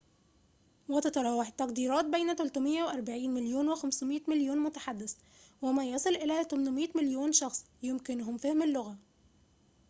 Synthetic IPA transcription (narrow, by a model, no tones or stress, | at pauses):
wet̪ɑt̪ɑɾˤɑːwːɑħt̪ːɑqd̪iːɾˤɑːt̪̚bejnæt̪ʊlt̪ʊmɪjːæweʔɑɾˤbaʕiːnmɪljoːnwexæmsmiːt̪mɪljoːnmʊt̪aħad̪ːɪs | wɪmæjɑsˤɨlʔɪlæːt̪æmnʊmiːt̪mɪljoːnʃɑxsˤ | jʊmkɪnʊɦʊmfæhmɪlːʊɣæ